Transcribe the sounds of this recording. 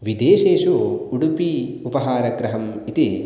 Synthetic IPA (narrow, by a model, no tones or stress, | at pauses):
ʋid̪eːʃeːʃoːuɽupi | upɐɦaːɾɐɡɾɐɦɐmit̪eː